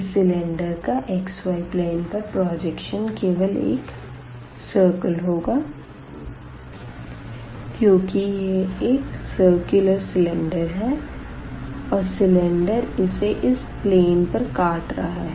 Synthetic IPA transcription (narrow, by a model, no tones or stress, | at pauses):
sɪlɛ̃ɳɖəɾkaʔekswaːɪpleːnpɐɾpɾɔːd͡ʒɛkʃənkeːʋəlḛːk | səːɾkəlɦoːɡaː | kjõːkijeeːksəɾkjʊləɾsɪlɛ̃ɳɖəɾɦɛː | ɔːɾsɪlɛ̃ɳɖəɾɪseʔɪs | pleːnpɐɾkaːʈɾɐ̰ɦaɦɛ